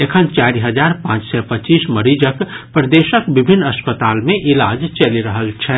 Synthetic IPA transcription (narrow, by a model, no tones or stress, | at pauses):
ekʰənt͡ʃaːɾiɦəd͡ʒaːɾpãːt͡ʃsɛpət͡ʃiːsməɾid͡ʒəkpɾəd̪eːʃəkbɪbʱɪnːɐspət̪aːlmẽʔɪlaːd͡ʒt͡ʃɐliɾəɦəlt͡ʃʰɛ